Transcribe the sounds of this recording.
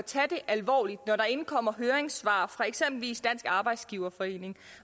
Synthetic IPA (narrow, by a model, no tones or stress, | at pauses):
t͡sʰæd̥e̝ʔælʋɒ̰ːlid̥nɒɾɑ̈e̝nkʰɒ̽m̰ɐɦøːɐeŋsʋɑ̰̈ːfʁɑ̈e̝ɡ̥sem̰b̥l̩ʋḭːsd̥æn̰sɡ̥ɑ̈ːb̥ɑ̈ɪ̰d̥sɡ̥iʊɐfɒ̽e̝̰ːne̝ŋ